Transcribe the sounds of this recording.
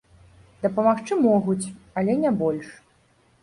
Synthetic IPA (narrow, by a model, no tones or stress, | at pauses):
d̪ɐpɐmaxt͡ʂɨmɔɣut͡sʲ | ɐlʲɛnʲabɔlʲʂ